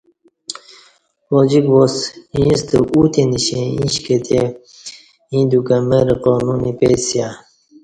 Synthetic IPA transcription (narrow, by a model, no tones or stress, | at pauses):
poːd͡ʑikosĩst̪uut̪eniɕẽḭ̃ɕket̪e | ĩːd̪ukɐmeɾiqoːnunipesja